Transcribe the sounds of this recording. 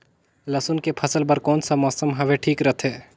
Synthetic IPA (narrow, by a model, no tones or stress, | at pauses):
lɐsʊnkepʰəsəlbɐɾkɔːnsamɔːsəmɦɐʋeʈʰiːkɾɐt̪ʰeː